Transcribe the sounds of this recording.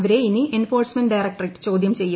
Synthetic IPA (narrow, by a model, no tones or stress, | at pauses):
ʋɐɾe̞iniʔenfo̞ːrsmɐnɖɐjrɐk̚ʈɐriʈːɨ̥t͡ɕo̞ːd̪jɐmt͡ɕe̞jː